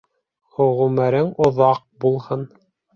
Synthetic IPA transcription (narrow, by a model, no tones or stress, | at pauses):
χŏʁumæɾɘŋŏðɑq̚bulˠhɤn